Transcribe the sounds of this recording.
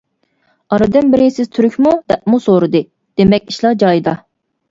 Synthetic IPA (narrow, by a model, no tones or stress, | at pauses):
ɑɾɨd̪ɨnbɪɾɪsɪzt̪ʰyɾykʲmud̪ɛp̚musoɾɨd̪ɨ | d̪̥emɛkʲi̥ʃlˠɑd͡ʒɑjd̪ɑ